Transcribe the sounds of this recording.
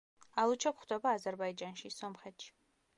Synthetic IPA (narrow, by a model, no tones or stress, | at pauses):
alˠut͡ʃʰapχd̪abaːzɛɾbajd͡ʒʼanʃisɔmχɛt̪ʰʃ